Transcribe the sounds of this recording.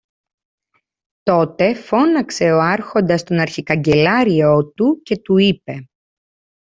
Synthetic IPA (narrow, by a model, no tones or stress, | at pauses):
t̪o̞t̪e̞fo̞nɐkse̞o̞ɐɾxo̞nd̪ɐst̪o̞nɐɾçikɐɲɟe̞lɐɾio̞t̪uce̞t̪uipe̞